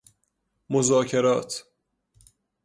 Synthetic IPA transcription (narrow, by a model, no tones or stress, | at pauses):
mozɒːcʰeɾɒːt̪ʰ